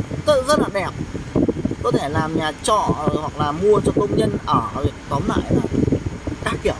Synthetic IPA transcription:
t̪ɨ̰˧˨zə˦˥t̚laː˨˩ɗɛ˨˩p̚ | kɔ˨˦t̪ʰe˧˩laː˨˩mɲaː˨˩t͡ɕɔ̰˧˨˩hwa˨˩k̚laː˨˩mu˧ət͡ɕɔ˧kə˧wŋ͡mɲə˧nʔəː˧˩lə˨˩kt̪ɔ˨˦nla̰ː˧˨jnaː˨˩jkaː˦˥k̚kːi˧˩ə

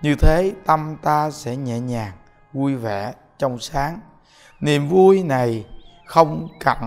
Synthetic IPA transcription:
ɲɨ˧t̪ʰe˨˦t̪ə˧mt̪aː˧sɛ̰˧˥ɲɛ̰˧˩˨ɲaː˨˩ŋ | vu˧jvɛ̰˧˩˨ | t͡ɕɔ˧wŋ͡msaː˨˦ŋ | nḭ˨əmvu˧jna˨˩jxə˧wŋ͡mka̰˧˩n

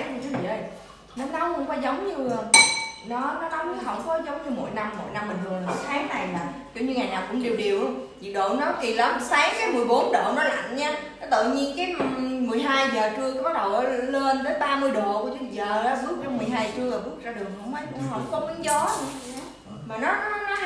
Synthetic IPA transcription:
ku˧˩t͡ɕɨ˨˧˦ḭ˧˨˩ʔə˨˧˩j | nɔ˨˦na˨˦wkʊ˧wŋ͡mkwaː˨˦zə˨˦wŋ͡mɲɨ˧nɔ˨˦nɔ˨˦na˨˦whə˧˩wŋ͡mkɔ˨˦zə˨˦wŋ͡mɲɨ˧mo̰˧˨jna˧mːo̰˧˨jna˧mːi˨˩nt̪ɨ˨˩la˨˩mo̰˧˩˦jt̪ʰaː˨˦ŋna˨˩jmaː˨˩ki˧˩əwɲɨ˧ŋaː˨˩jnaː˨˩wkʊ̰˧˥ŋ͡mɗi˨˩wɗi˨˩əwʔzḭ˧˨˩ɗo̰˧˨nɔ˨˦t̪ʰi˨˩lə˨˦msaː˨˦ŋkaː˨˦jmɨ˨˩əjɓo˨˦nɗo̰˧˨nɔ˨˦la̰˧˨nɲaː˧ | nɔ˨˦t̪ɨ̰˧˨ɲi˧ənkaː˨˦jmɨ˨˩əjɦaː˧jzəː˨˩t͡ɕɨ˧əka˨˦ɓa˦˥k̚ɗə˨˩wʔəː˨˦˧le˧nt̪əː˨˦jɓaː˧mɨ˧əjɗo˨˩u˧˩ət͡ɕɨ˧˨zəː˨˩la˨˦ɓɨ˦˥ək̚t͡ɕɔ˧wŋ͡mmɨ˨˩əjɦaː˧jt͡ɕɨ˧əlaː˨˩ɓɨ˦˥ək̚zaː˧ɗɨ˨˩ək̚hə̰˧˨wŋ͡mə˨˦jkhə˧˩wŋ͡mkɔ˨˦mɨ˨˦ŋzɔ˨˦˨ | maː˨˩nɔ˨˦ɔ˨˦nɔ˨˦

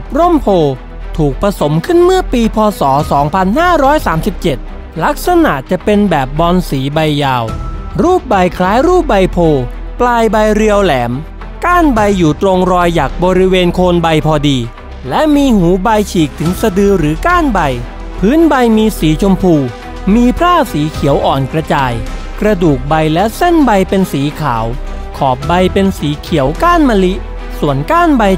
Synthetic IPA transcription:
ɾo˥˩mpʰoː˧ | t̪ʰuː˨˩k̚pɾa˧so˩˦mkʰɯ˥˩nmɯ˥˩piː˧pʰɔː˧sɔː˩˦sɔː˩˦ŋpʰa˧nhaː˥˩ɾɔː˦˥jsaː˩˦msi˨˩p̚t͡ɕe˨˩t̪̚ | la˦˥k̚sa˧na˨˩ʔt͡ɕa˨˩pe˧nbɛː˨˩p̚bɔː˧nsiː˩˦ba˧jːaː˧wɾuː˥˩p̚ba˧jkʰlaː˦˥jɾuː˥˩p̚ba˧jpʰoː˧ | plaː˧jba˧jɾi˧əwlɛː˩˦m | kaː˥˩nba˧jːuː˨˩t̪ɾo˧ŋɾɔː˧jːaː˨˩k̚bɔː˧ɾi˦˥weː˧nkʰoː˧nba˧jpʰɔː˧diː˧ | lɛ˦˥ʔmiː˧huː˩˦ba˧jt͡ɕʰiː˨˩k̚t̪ʰɯ˩˦ŋsa˧dɯː˧ɾɯː˩˦kaː˥˩nba˧j | pʰɯː˦˥nba˧jmiː˧siː˩˦t͡ɕʰo˧mpʰuː˧ | miː˧pʰɾaː˥˩siː˩˦kʰi˨˩˦əwʔɔː˨˩nkɾa˧t͡ɕaː˧j | kɾa˧duː˨˩k̚ba˧jlɛ˦˥ʔse˥˩nba˧jpe˧nsiː˩˦kʰa̰ː˩˦w | kʰɔː˨˩p̚ba˧jpe˧nsiː˩˦kʰi˨˩˦əwkaː˥˩nma˧li˦˥ʔ | su˨˩ənkaː˥˩nba˧j

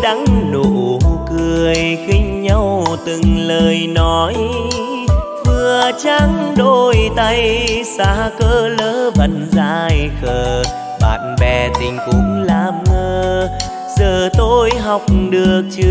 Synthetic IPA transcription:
ɗa˨˦ŋɗo˧˨kɨ˨˩əjxï˧ŋ̟ɲa˧wt̪ɨ˨˩ŋləː˨˩jnɔ˨˦j | vɨ˨˩ət͡ɕa˧ŋɗo˧˩jt̪a˧jsaː˧˩˦kəː˧ləː˨˦və˨˩nzaː˧jxəː˧˨˩ | ɓa̰ː˧˨nɓɛ˧˩t̪ï˨˩ŋ̟kʊ˨˧˦ŋ͡mlaː˧˩mʔəː˧ | zəː˨˩t̪o˧jɦɔ˨˩wk͡p̚ɗɨ˨˩ək̚t͡ɕɨ˧

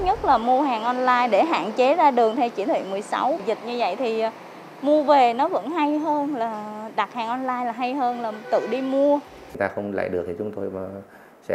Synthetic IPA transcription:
t̚ɲə˦˥t̚laː˨˩mu˧əɦaː˨˩ŋʔɔ˧nlaː˧jɗe˧˩ɦa̰ː˧˨nt͡ɕe˨˦zaː˧ɗɨ˨˩əŋt̪ʰɛ˧wt͡ɕḭ˧˩t̪ʰḭ˧˨mɨ˨˩jsa̰˨˦wzi˨˩t̚ɲɨ˧və̰˧˨jt̪ʰi˨˩˨ | mu˧əve˨˩nɔ˨˦və̰˧˥nɦa˧jɦəː˧nlaː˨˩ɗa˨˩t̚haː˨˩ŋʔɔ˧nlaː˧jlaː˨˩ɦa˧jɦəː˧nlaː˨˩t̪ɨ̰˧˨ɗi˧mu˧ə˨˦ | ŋ͡mt̪aː˧xə˧wŋ͡mla̰ː˧˨jɗɨ˨˩əi˨t͡ɕʊ˨˦ŋ͡mt̪o˧jmaː˨˩ | sɛ̰˧˥

